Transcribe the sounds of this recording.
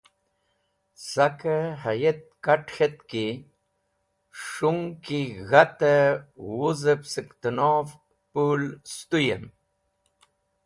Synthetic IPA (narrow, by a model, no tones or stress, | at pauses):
sakəhajet̪̚kaʈxet̪ki | ʂuŋkiɣat̪əwuzəpsəkt̪unov | pulst̪ujḛm